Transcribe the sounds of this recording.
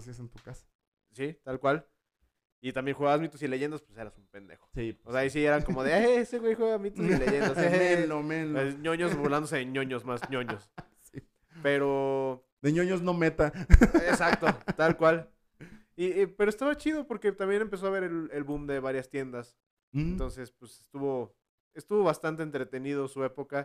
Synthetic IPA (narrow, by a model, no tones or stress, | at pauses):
siasent̪u̥kasḁ | sit̪alkwal | it̪ambje̞nxwuɣaβazmit̪osile̞ʝe̞nd̪aspwese̞ɾasumpe̞nd̪e̞̰xo̥siːseais̬ie̞ɾaŋkomo̞ðeaeseɣwe̞jxwe̞ɣamit̪osileʝend̪asemelomelesɲo̞ɲosboland̪os̬eeɲõɲo̞zmasɲoɲo̞s | si | pe̞ɾo | d̪eɲoɲozno̞met̪aesak̚t̪ot̪alkwal | ipe̞ɾo̞e̞st̪aβat͡ʃiðo̞po̞ɾke̞t̪ambje̞ne̞mpe̞s̬o̞aβe̞ɾe̞lelβumd̪e̞βaɾjast̪je̞nd̪as | nt̪o̞nse̞spwesest̪uβo̞ | est̪uβo̞βast̪ant̪eːnt̪ɾe̞t̪e̞nið̞o̞sue̞po̞ka